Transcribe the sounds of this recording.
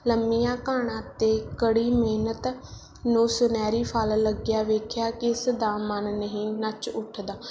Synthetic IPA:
ləmːijãːkaːɽ̃ãːt̪eːkəɽiːmeːnət̪ | nũːsʊnɛːɾiːpʰalləɡɪjaːʋeːkʰjaːkɪsd̪aːmənːəɦĩːnət͡ʃʊʈʰd̪aː

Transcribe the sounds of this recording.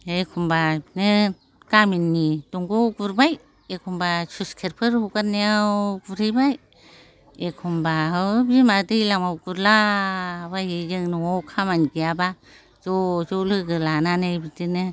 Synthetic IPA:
ekʰumbainɯ | ɡ̥aminːiduŋɡoɡuɾbaj | ekʰumbasuskʰeɾpʰɯɾhuɡaneawɡuɾibaj | ekʰumbaɦɯwbimadɯjlamawɡuɾla | bahijɯŋnuɔwkʰamanɡiaba | z̥ɔzolɯɡɯlananajbidinɯ

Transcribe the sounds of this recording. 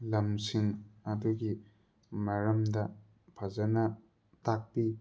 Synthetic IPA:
lɐmsiŋɐduɡi | maɾɐmdɐ | pʰɐzɐnɐ | tak̚pi

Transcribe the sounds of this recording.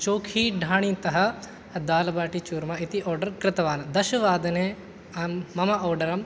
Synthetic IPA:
t͡ʃoːkʰiːɖʱaːɽ̃ĩt̪ɐɦɐ | d̪aːlɐbaːʈit͡ʃuːɾmait̪iʔɔːɾɖɐɾkɾɪt̪ɐʋaːnd̪ɐʃɐʋaːd̪ɐne | ɐːɐmɐʔɔːɾɖɐɾɐm

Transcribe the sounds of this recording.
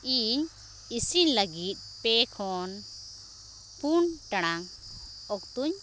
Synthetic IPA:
iɲ | isiɲləɡit̪̚ˀpɛkʰɔn | punʈaɽ̃aŋ | ɔk̚t̪uɲ

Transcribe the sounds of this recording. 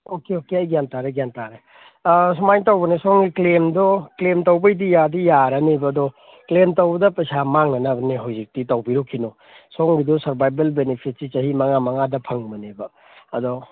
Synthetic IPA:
okeokeɐjɡjantaɾeɡjantaɾe | sumajtawbɐnesoŋɡiklemdɔklemtowbɐjdijadijaɾanibɐːdɔ | klemtɐwbɐdɐpɐsamaŋnɐnɐbɐniɦawzik̚titɐwbiɾokʰːino | soŋɡidɔsɐɾbajbelbenepʰit̚sit͡ʃɐɦimɐŋamɐŋadɐpʰɐŋmɐnebɐ | ɐdɔ

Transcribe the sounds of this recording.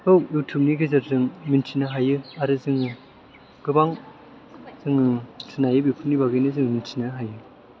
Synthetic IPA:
hɯwjutʰup̚niɡɯzaɾzɯŋmintʰinaɦajɯaɾɯzɯŋɯ | ɡ̥ɯbaŋ | zɯŋɯtʰɯnajɯbjipʰupnibaɡɯnɯzɯŋmintʰinaɦajɯ

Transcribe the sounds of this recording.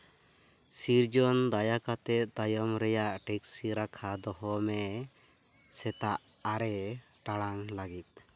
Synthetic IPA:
siɾd͡ʒɔnd̪ajakat̪ɛt̪̚d̪ajɔmɾɛjaʔʈɛksiɾakʰad̪ɔhɦɔmɛ | sɛt̪aʔ | aɾɛ | ʈaɽaŋlaɡit̪̚

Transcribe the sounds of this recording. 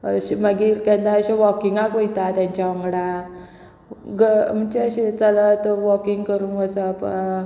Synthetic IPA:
ɕiməɡiːɾkɛ̃nd̪ãəɕeʋɔkiŋɡãkojt̪at̪jãɲt͡ɕaɔŋɡɽa | ɡəm̤ənt͡ɕeəɕet͡sələt̪ʋɔkiŋɡkəɾuːŋɡəsəp

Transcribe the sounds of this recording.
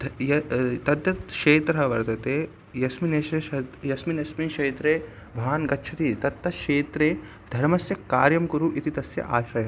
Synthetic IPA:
d̪jɐt̪ɐd̪jɐt̪ʃeːt̪ɾɐɦɐʋɐɾt̪ɐt̪eː | jɐsmineːʃɐɐjɐsminɐsmiʃeːt̪ɾeː | bʱɐaːnkɐtːt͡ʃʰɐt̪it̪ɐt̪ːɐʃeːt̪ɾeː | d̪ʱɐɾmɐsjɐkːaːɾjɐmkuɾuʔit̪it̪ɐsjɐ̰ʔaːʃɐjɐ

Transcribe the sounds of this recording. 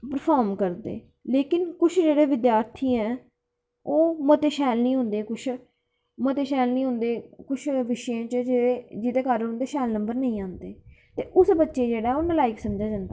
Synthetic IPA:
pəɾpʰaːɾmkəɾd̪ḛː | leːkɪnkʊt͡ʃʰd͡ʒeːɽeːʋɪd̪jaːɾt̪ʰiːɛ̃ː | oːmət̪eːʃɛːlnĩːɦʊ̃ːnd̪eːkʊt͡ʃʰ | mət̪eːʃɛːlnĩːɦʊ̃nd̪eːkʊt͡ʃʰʋɪʃjãːt͡ʃd͡ʒeːɽeːd͡ʒɪd̪eːkaɾɦʊ̃nd̪eːʃɛːlnəmbəɾnəĩːãːnd̪eːt̪eːʔʊsbətːʃeːd͡ʒeːɽaːɛoːnãːlaːɪksəmd͡ʒaːd͡ʒãːnd̪aː

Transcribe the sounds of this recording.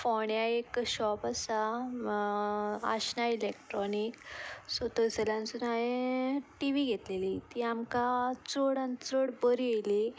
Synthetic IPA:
fɔɳjaekɕɔpasa | a̰ɕnailekʈɾɔniksot̪əsɛlãnt͡sunaɦeʈiʋiɡʱet̪lelit̪iːamkat͡soɽant͡səɽbəɾijeli

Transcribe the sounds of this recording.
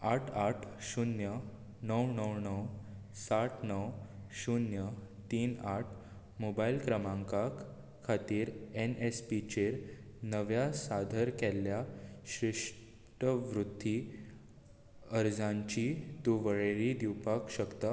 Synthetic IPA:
aʈʰaʈʰɕunjə | nəwnəwnəw | saʈʰnəwɕunjət̪iːnaʈʰ | mobailkɾəmãŋkak | kʰːat̪iːɾenespit͡ɕeɾnəʋjasad̪ʱəɾkɛlːjaɕɾiʂ | ʈəʋɾut̪ːiː | əɾd͡zãɲt͡ɕit̪uʋəɭeɾid̪iwpakɕəkt̪a

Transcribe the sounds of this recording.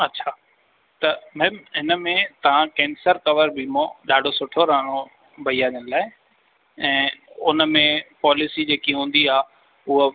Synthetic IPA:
ɐtːɕʰaː | t̪ɐmɛ̃ːmɦɪnə̆mẽt̪ɐʋ̤ãkɛ̃ːnsəɾkɐʋəɾbʱimõɗaːɖʱosʊʈʰoɾaːəɽ̃o | bʱɐiːaːʄənəlaːɪ | ɛ̃ːʊnə̆mẽpɔːlɪsid͡ʑeːkiɦũːn̆d̪iaː | ʊɦo

